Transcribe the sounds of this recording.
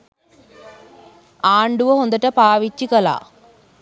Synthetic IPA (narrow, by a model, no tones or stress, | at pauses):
aːɳɖuʋəɦond̪ɐʈəpaːʋit͡ʃːikɐla̰ː